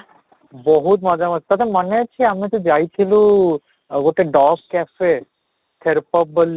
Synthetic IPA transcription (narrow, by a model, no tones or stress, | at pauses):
boɦut̪mad͡ʑamat̪at̪emaneat͡ɕʰiamit̪ud͡ʑajt͡ɕʰilu | ɡoʈaɖɔk̚kɛfe | t̪ʰeɾpob̚bolːi